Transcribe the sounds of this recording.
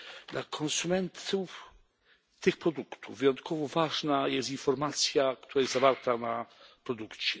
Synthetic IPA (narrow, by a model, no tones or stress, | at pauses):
d̪lakʰɔnsumɛnt̪uf | t̪ɘxpɾɔd̪ukt̪uvːɨjɔnt̪kʰɔvɔvaʐnajɛst̪infɔɾmat̪sʲjakt̪uɾajɛszavaɾt̪anapɾɔd̪ukt͡ɕɛ